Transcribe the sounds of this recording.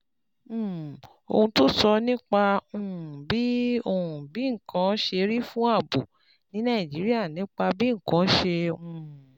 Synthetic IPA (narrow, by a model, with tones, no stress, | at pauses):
o̰˧hũ˧to˦sɔ˧nĩ˦k͡pa˧ũ˧˨ũ˨bi˨˦o˦˧hũ˨bi˨˦ŋ̩˨kʰã˨˦ʃe˧ɾi˦fũ˦a˦˨bo˨ | nĩ˨˦nã˦˨d͡ʒi˨˦ɾi˦a˦˨nĩ˨˦k͡pa˧bi˦ŋ̩˨kã˨˦ʃe˧ũ˦˧˨